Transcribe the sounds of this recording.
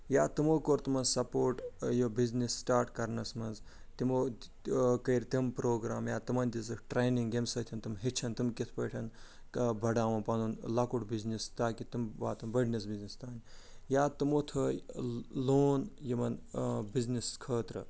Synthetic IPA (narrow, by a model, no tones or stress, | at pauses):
jaːt̪ɨmoːkoːɾt̪imɐnsɐpoːʈjobiznisːʈaːɾʈkɐɾnɐsmɐnz | t̪imo | kɐjɾt̪impɾoːɡɾaːmjaːt̪ɨmɐnʲd̪izʈɾeːniŋɡemsɐt̪ʰɐnt̪ɨmɦit͡ʃʰɐnt̪ɨmkit̪ʰpɐːʈʰɐn | kɐbʱɐɖaːʋɐpɐnunlɐkuʈbiznist̪aːkit̪imʋa̰ːt̪ɐmbɐɖnʲɐs̬biznist̪aːnʲjaːt̪ɨmoːt̪ʰɐ | loːnjimɐnbizniskʰəːt̪ɾɨ̰